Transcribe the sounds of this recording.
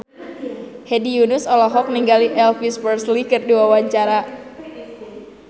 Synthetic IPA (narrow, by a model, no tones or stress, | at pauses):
hɛdijunʊsɔlɔɦɔk̚niŋɡaliʔɛlfispərslikɨrduwawaɲt͡ʃaɾa